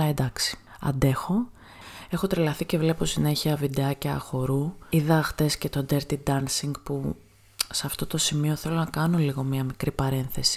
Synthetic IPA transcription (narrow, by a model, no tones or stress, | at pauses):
ed̪ɐksi̥ɐ̰nd̪e̞xo̞ | e̞xo̞t̪ɾilɐθice̞vle̞posine̞çiɐvid̪eɐceɐ̰xo̞ɾuiðɐːxθe̞sce̞t̪o̞d̪eɾt̪id̪ɐnsiŋɡpu | seɐft̪o̞t̪o̞simio̞θe̞lo̞nɐkɐno̞liɣo̞mɲɐmikɾipɐɾe̞nθe̞si̥